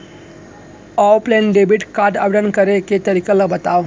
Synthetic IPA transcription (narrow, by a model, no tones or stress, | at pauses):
ɔwplɛnɖebiʈkaɾɖa̰ʋeɽənkəɾeket̪əɾikəlabət̪aw